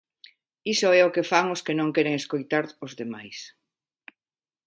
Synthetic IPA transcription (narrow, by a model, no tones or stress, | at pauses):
isʊɛokefaŋʊskenõŋkɛɾeŋeskojt̪aɾʊzðemajs